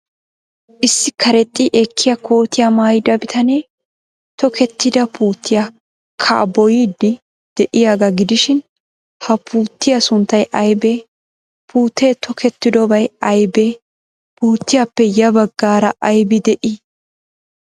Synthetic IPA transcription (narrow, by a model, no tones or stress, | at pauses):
ʔɪsːɪkʰɐɾɛt̪ʼːiʔekːɪjɐko̞ːt̪ɪjɐmaːjɪd̪ɐbɪt̪ʰɐneː | t̪ɔkʰɛt̪ːɪd̪ɐpʰuːt̪ʰːɪja | kʰɐ̰ʔbɔjiːd̪ːɪ | d̪̥ɛʔɪjaːɡɐɡɪd̪ɪʃɪn | hɐpʰuːt̪ːɪjɐsʊnt̪ːɐjʔɐjbeː | pʰuːt̪ʰːeːt̪ʰɔkʰɛt̪ːɪd̪ɔbɐjɐjbeː | puːt̪ːɪjapːɛjɐbɐɡːaːɾɐʔɐjbɪd̪ɛʔɪ